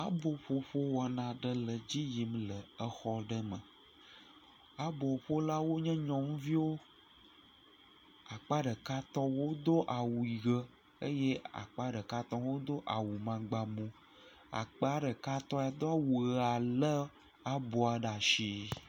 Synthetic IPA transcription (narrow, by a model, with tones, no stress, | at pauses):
a˦bo˨ɸo˦ɸo˦wa˨nã˨ɖə˦lə˨d͡ʑi˦ji˨mlə˨ə˦xɔ˦ɖə˦mə̃˨ | a˦bo˨ɸo˦la˦wo˦ɲɛ̃˦ɲɔ̃˦ŋũ˦vi˦wo˦ | a˨k͡pa˦ɖə˨ka˦t̪ɔ̃˦wo˦d̪o˦ʔa˨wu˨i˨ɣə˦ | ə˦je˦a̰˨k͡pa˦ɖə˨ka˦t̪ɔ̃˦wo˦d̪o˦ʔa˨wu˨mã˨ɡ͡ba˨mũ˦ | a̰˨k͡pa˦ɖə˨ka˦t̪ɔ̃˦a˨d̪o˦a˦wu˨˦a˨lə˦ | a˦bo˨a˨ɖa˨ʃi˦